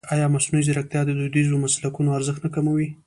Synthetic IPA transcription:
ɑjɑmasnuizɪɾak̚t̪jɑd̪əd̪ud̪izomaslakunoaɾzəxt̪nakamawi

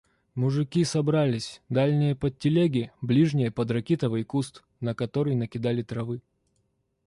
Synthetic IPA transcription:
mʊʐɨkʲisɐbɾalʲɪsʲd̪alʲnʲɪjəpətʲːɪlʲeɡʲɪblʲiʐnʲɪjəpəd̪rɐkʲet̪əvɨjkust̪ | nəkɐt̪o̞ɾɨjnəkʲɪd̪alʲɪt̪ɾɐvɨ

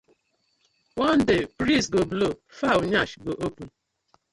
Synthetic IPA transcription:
wɔn̩dɪpɾisɡoblofawʊɲaʃɡoʔopu

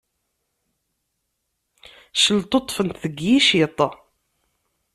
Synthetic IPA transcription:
ʃəlt̪ˤot̪ˤːfənt̪θəɡjiʃit̪ˤɑ

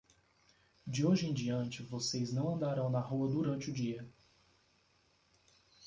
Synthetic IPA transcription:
d͡ʒɪoʒɪẽj̃d͡ʒiɐ̃nt͡ʃɪvosejznɐ̃w̃ɐ̃nd̪aɾɐ̃w̃nɐɦuɐd̪uɾɐ̃nt͡ʃɪʊd͡ʒiɐ

